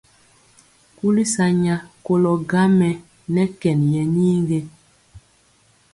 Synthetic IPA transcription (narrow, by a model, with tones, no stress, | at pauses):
ku˦li˦sa˨ɲa˨ko˦lɔ˨ɡa˦mɛ˨ | nɛ˦kɛ˨njɛ˨niː˦ŋɡe˦